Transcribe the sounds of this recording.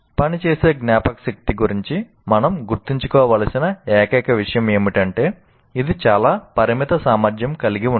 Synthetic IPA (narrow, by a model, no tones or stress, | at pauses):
pɐnit͡ʃe̞ːse̞ːɡnjaːpɐkɐsɐk̚t̪iɡuɾiɲt͡ʃi | mɐnɐmɡuɾt̪iɲt͡ʃu̥kɔːʋaːlɐsinɐɛːkɐːkɐʋiʂɐjɐme̞ːmiʈɐɳʈe̞ː | id̪it͡ʃaːlaːpɐɾimit̪ɐsaːmaɾd͡ʒjɐmkɐliɡiun